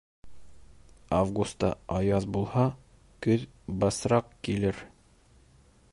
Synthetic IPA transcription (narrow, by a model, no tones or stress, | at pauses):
avɡust̪ːɑ̰ɑjɑðbulˠhɑ | kɵð | bɑsɾɑqkilɘɾ